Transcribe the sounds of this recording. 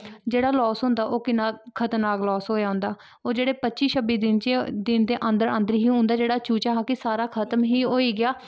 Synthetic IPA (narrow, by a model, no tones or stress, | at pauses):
d͡ʒeːɽaːlɔːsɦʊ̃ːnd̪aːʔoːkɪnãːkʰət̪naːklɔːsɦoːjaːɦʊ̃nd̪aː | oːd͡ʒeːɽeːpətːʃiːʃəbiːd̪ɪnt͡ʃed̪ɪnd̪eːʔə̃nd̪əɾə̃nd̪əɾɦiːɦʊ̃nd̪aːd͡ʒeːɽaːt͡ʃuːt͡ʃaːɦaːkɪsaːɾaːkʰət̪əmɦiːɦoːiːɡɪjaː